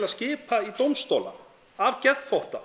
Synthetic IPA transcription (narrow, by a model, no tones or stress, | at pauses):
laðscɪːpait̪owmst̪oːla̰ | avcɛðfowht̪a